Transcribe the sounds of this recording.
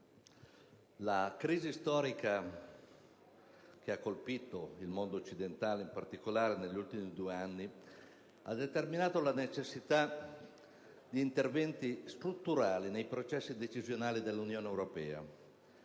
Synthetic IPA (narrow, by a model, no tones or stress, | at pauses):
lakɾiːzist̪ɔːɾika | k̟eakːolpiːt̪oilmond̪oːt͡ʃːid̪ent̪aːleimpart̪ikolaːɾeneʎːult̪imid̪uːeanːi | a̰d̪et̪erminaːt̪olanet͡ʃesːit̪a | d̪iːnt̪ervɛnt̪ist̪ɾut̪ːuɾaːlinejpɾot͡ʃɛsːid̪et͡ʃizjonaːlid̪elːunjoːnewɾopɛːa̰